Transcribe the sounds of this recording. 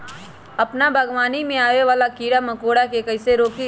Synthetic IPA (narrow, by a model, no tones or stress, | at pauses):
ɐpnabʱɐɡwaːnimẽaːʋeʋaːlakiːɽamɐkoːɽakekɐɪseɾoːki